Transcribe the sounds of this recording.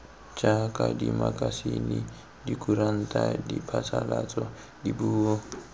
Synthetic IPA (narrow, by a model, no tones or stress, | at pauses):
t͡ʃʼakʼadimakʼasini | dikʼuɾan̩tʼadipʰasalat͡sʼɔ | dibuːɔ